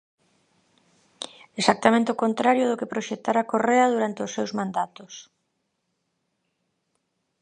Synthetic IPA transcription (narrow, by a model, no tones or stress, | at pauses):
esak̚t̪amẽnt̪eɪokont̪ɾaɾjʊðʊkepɾoʃet̪aɾakoreɐðuɾant̪ɪʊsːewzmãnd̪at̪ʊs